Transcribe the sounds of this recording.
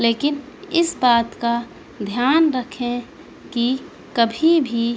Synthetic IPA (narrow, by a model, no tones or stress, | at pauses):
leːkɪn | ɪsbaːt̪ka | d̪ʱjaːnɾəkʰẽ | ki | kəbʱibʱi